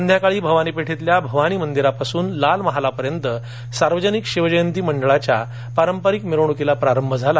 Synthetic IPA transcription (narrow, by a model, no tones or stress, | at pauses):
ənd̪ʱjakaɭiːbʱəʋañiːpeʈʰit̪ljabʱəʋañiːmənd̪iɾapasuːnlalməɦalapəɾjənt̪ə | saɾʋəd͡ʑənikɕiʋd͡ʑəjənt̪̬iːməɳɖəɭat͡ɕja | paɾəmpəɾikmeɾʋɳ̃ukelapɾaɾəmbʱəd͡zʱala